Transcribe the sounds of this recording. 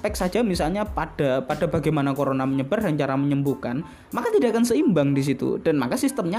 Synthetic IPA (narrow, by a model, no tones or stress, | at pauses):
pɛk̚sad͡ʒamisalɲapad̥apad̥abaɡajmanakoɾonaməɲəb̥arɦaɲt͡ʃaɾaməɲəmbukan | makat̪idaʔakansəimbaŋdis̬it̪ṵd̥anmakasist̪əmɲa